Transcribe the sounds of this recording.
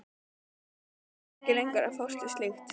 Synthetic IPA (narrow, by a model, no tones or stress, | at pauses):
cɪlejŋkaɾa̰fɔwst̪ɪst̪ext̪